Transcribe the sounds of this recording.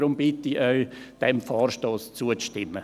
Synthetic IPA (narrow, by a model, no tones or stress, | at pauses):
ɾʊmbɪt̪iʔœɥd̥ɛmfɔːrʃtoːst͡suəʃtɪmːə